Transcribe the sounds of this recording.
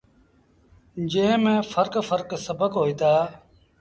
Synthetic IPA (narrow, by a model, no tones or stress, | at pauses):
d͡ʒẽːmẽːfʰəɾkfəɾksəbəkɦoːiːt̪aː